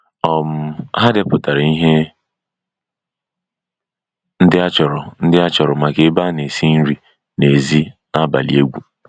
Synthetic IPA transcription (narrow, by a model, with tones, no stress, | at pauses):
ɔ˨m̩˦ɦa˦dɪ˦pʊ˨ta˨ɾa˨i˦ɦe˦ | n̩˦dɪ˦a˦t͡ʃɔ˨ɾɔ˨n̩˦dɪ˦a˦t͡ʃɔ˨ɾɔ˨ma˨ke˦ba˦ne˨si˦n̩˦ɾi˨ | ne˨zi˦ | a˦ba̰˨lḭ˨e˦ɡʷu˦